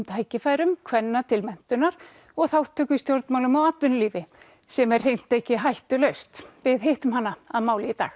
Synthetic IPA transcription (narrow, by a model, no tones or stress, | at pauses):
mt̪ʰaːjcɪfaːjɾʏmkʰvɛnːat̪ʰɪlmɛn̥t̪ʏnaɾ̥ | ɔɣθawt̪ʰːœːkʏst̪jowɾt̪mawlʏmawat̪vɪnliːvɪ | sɛmɛrr̥ejn̥t̪ehcɪɦajht̪ʏlœɥst̪vɪðɦejht̪ʏmhanːaaðmaːwlijɪt̪a̰ːx